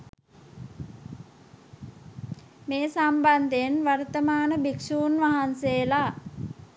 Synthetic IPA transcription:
meːsamband̪eenʋart̪əmaːnəbiksuːnʋaɦanseːla

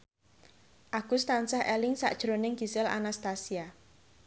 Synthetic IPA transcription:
ʔaɡ̥ust̪ansahʔɛlɪŋsa̰ʔd̥ʒ̥ɾonɪŋɡ̥i̤sɪla̰nast̪asia

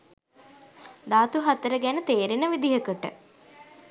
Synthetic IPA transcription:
d̪aːt̪uɦat̪əɾəɡænət̪eːɾinəʋid̪iɦəkəʈə̰

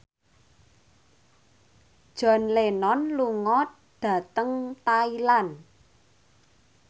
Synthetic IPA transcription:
d̥ʒ̥ɔ̤nlenɔnluŋɔt̪ | d̪̥ä̤t̪əŋt̪ailan

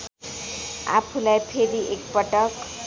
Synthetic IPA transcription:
a̰pʰulajpʰeɾiʔek̚pʌʈʌk

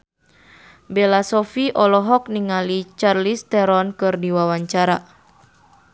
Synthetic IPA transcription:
belasɔfiʔɔlɔɦɔk̚niŋalit͡ʃarlist̪ɛɾɔnkɨrdiwawaɲt͡ʃaɾa

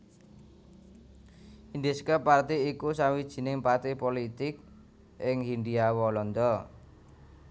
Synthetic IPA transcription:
ind̪eskəpart̪iikusawid̥ʒ̥i̤nɪŋpart̪ipolit̪ɪk̚ | ɪŋhinɖ̪iawɔlɔnd̪ɔ

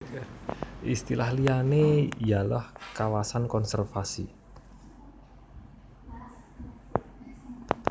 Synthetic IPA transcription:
ʔist̪ilahlijanejalɔhkawasankɔnsɛrfasḭ

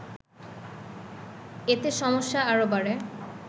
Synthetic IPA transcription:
et̪eʃɔmoʃːaaɹobaɽe

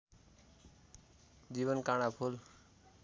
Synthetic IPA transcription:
d͡ʑiβʌnkaɽ̃apʰul

